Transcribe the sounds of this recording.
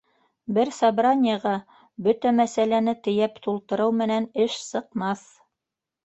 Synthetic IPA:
bɘɾsabranʲɪjəʁɑ | bɵt̪æmæsælænɘt̪ɘ̆jæpt̪ulˠt̪ɤ̆ɾɤwmɘ̆nænɘʃsɤ̆qmɑθ

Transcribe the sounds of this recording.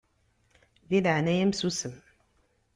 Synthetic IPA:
bilanɛjəmsusəm

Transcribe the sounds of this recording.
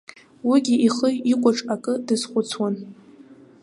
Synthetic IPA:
wiɡʲiʔiχəjikʷʼaʈ͡ʂʼakʼɨdɨzχʷʊt͡sʰwan

